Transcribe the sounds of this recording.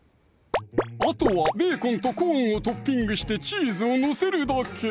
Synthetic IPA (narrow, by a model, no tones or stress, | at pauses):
at̪oβabe̞ːkõ̞nt̪o̞kõːɰ̃ot̪o̞pʲːĩŋɡɯ̟ɕi̥t̪e̞t͡ɕiːzɨo̞nose̞ɾɯ̟d̪akʰe